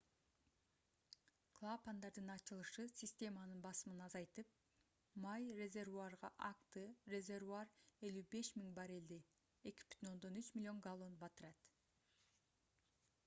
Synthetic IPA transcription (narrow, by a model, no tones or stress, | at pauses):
klˠapand̪ɑɾd̪ɯnɑt͡ʃɯlˠɯʃɯsʲɪsʲtʲe̞mɑnɯnbɑsɯmɯnɑzɑjt̪ɯp̚ | mɑjre̞zʲe̞rvuarʁɑʔakt̪ɨrʲe̞zʲe̞rvuare̞lybe̞ʃmiŋbɑɾe̞ld̪e | e̞ki̥py̥t̪ʰyno̞nd̪o̞nyt͡ʃmʲɪlʲio̞ŋɡalˠo̞nbɑt̪ɯɾɑt̪